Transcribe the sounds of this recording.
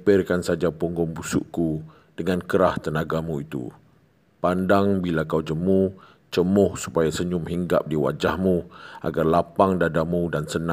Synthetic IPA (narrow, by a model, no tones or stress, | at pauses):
pɪrkansad͡ʒapɔŋɡɔŋbusṵʔku | d̥əŋãnkəɾaht̪ənaɡamũit̪ṵ | pandaŋbilakawd͡ʒəmu | t͡ʃəmʊhsu̥pajasəɲʊmɦiŋɡa̰p̚diwa̰d͡ʒahmũa̰ɡarlapaŋdadamũdansənã